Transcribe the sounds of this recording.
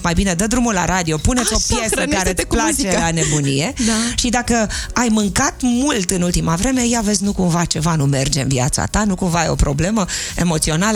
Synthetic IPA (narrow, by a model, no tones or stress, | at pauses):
majbine̞d̪əd̪ɾumula̰ɾad̪io̞punet̪so̞pje̞səaaɾeplat͡ʃelanebunije̞ʃid̪akəajmɨŋkat̪mult̪ɨnult̪imavɾe̞me̞jave̞zʲnukumvat͡ʃe̞vanume̞rd͡ʒe̞ɨ̰nvia̰t̪sa̰t̪anukumvaajo̞̰pɾo̞ble̞məe̞mo̞t̪sio̞nalə